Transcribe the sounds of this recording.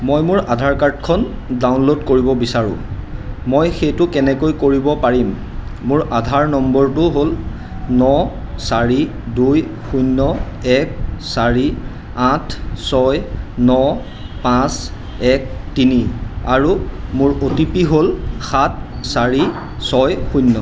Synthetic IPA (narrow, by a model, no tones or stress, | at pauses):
mojmʊɹadʱaɹkaɹt̚kʰɔn | dawnlodkoɹibɔbisaɹʊ̰̃mojxejtʊkɛnɛkojkoɹibɔpaɹimː | ʊɹʔadʱaɹnɔmbɔɹtʊɦol | nɔsaɹi | duj | xujnːɔ | ɛk̚saɹi | atʰsɔjnɔ | pãs | ɛk̚tiniaɹumʊɹotipiɦolxat̚ʰ | saɹi | sɔjxujnːɔ